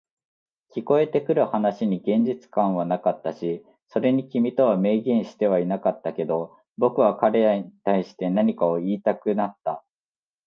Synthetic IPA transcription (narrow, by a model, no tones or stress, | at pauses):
kʲiko̞e̞t̪e̞kɯ̟ɾɯ̟hanaɕiɲ̟iɡẽ̞ɲ̟d͡ʑit͡sɨ̥kãɰ̃βanakat̪ːaɕi | so̞ɾe̞ɲ̟ikʲimʲit̪o̞β̞ame̞ːɡẽ̞ɰ̃ɕi̥t̪e̞βainakat̪ːake̞d̪o̞ | bo̞kɯ̟β̞akaɾe̞aɲit̪aiɕi̥t̪e̞naɲ̟ikao̞iːt̪akɯ̟nat̪ːa